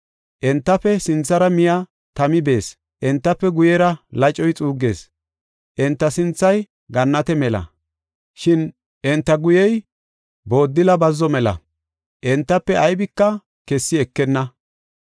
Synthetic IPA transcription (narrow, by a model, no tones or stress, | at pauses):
ʔɛnt̪ːɐpːɛsɪnt͡sːɐɾɐmɪjɐ | t̪ɐmɪbe̞ːs | ʔɛnt̪ːɐpːɛɡʊjɛɾɐlɐt͡ʃʼːɔjt͡sʼuːɡe̞̰ːs | ʔɛnt̪ːɐsɪnt͡sːɐj | ɡɐnːɐt̪ɛmɛlɐ̰ | ʃɪn | ʔɛnt̪ːɐɡʊjɛj | bo̞ːd̪ːɪlɐbɐzːɔmɛlɐ̰ | ʔɛnt̪ːɐpːɛɐjbɪkːɐ | kɛsːɪɛkːɛnːɐ